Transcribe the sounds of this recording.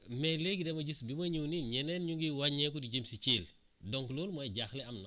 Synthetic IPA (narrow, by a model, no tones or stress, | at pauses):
mɛleɡidɛmɐɟisbimɐɲuwniɲɛnɛːnɲuŋɡiwaɲɛkudiɟəmsit͡ʃiːl | dɔŋkloːlmɔjɟaxlɛɐmnɐ